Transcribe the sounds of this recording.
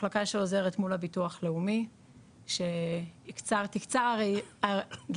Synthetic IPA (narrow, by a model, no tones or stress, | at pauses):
lakaʃeoze̞ʁetmulhabituaχle̞umi | ʃe̞ikt͡saʁt̪ikt͡saʁaʁaɡ